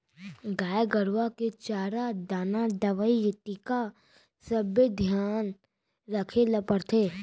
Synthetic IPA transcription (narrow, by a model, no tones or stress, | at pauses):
ɡaːjɡəɾwaket͡ʃaːɾad̪aːnad̪əʋəijət̪ika | səbjəd̪ʱjaːn | ɾəkʰeləpəɾt̪ʰeː